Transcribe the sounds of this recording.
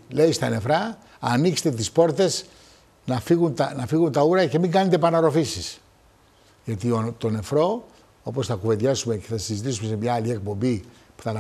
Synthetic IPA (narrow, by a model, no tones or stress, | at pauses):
le̞ist̪ɐne̞fɾɐ | ɐnikse̥t̪et̪̬ispo̞ɾt̪e̞s | nɐfiɣunt̪ɐnɐfiɣunt̪ɐuɾɐce̞miŋɡɐnet̪̬e̞pɐnɐɾo̞fisis | ʝɐt̪iot̪o̞ne̞fɾo̞ | o̞po̞sθɐkuve̞nðʝɐsume̞ce̞θɐsizit̪̬isume̞se̞mɲɐːlie̞k̚po̞mbipu̥θɐn